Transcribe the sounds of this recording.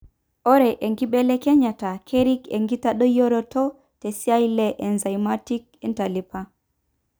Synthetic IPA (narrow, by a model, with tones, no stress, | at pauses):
ɔ˦ɾɛ˨ʔe˨ŋɡi˦ɓɛ˦le˦kɛ˦ɲa˨ta˨kʰe˦ɾi˦kḛ˨ŋɡi˦ta˦ɗɔ˦jo˦ɾɔ˦tɔ˦ | te˨si˦a˦jle˦ʔɛ˨nza˨jma˦ti˦k̚ɛ˦nta˨li˨pa˦